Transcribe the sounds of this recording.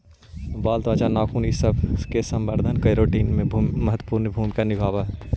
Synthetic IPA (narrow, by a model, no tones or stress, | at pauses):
baːlt̪ʋaːt͡ʃanaːkʰuːnisəbʱkesɐ̃mbəɾd̪ʱənkəjɾoːʈiːnmẽmɐɦət̪ːwə̥puːɾnbʱuːmikanɪbʱaːʋaɦ